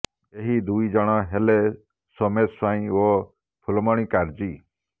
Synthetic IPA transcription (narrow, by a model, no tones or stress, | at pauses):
eɦid̪uid͡ʒɔɽ̃ɔɦele | sɔmet̪swaĩo | pʰulɔmɔɽ̃ĩkaɾd͡ʒi